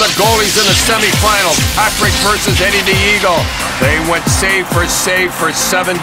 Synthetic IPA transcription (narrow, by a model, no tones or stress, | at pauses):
ðɨɡoʊlˠizɨ̃nðɨsɛmifãɪ̃nl̩ˠʰækɹeɪd̚vɜ˞sɨzɛ̃ɾidiiɡl̩ˠ | ðeɪwɛ̃ntseɪv̥fə˞seɪv̥fə˞sɛvɨ̃n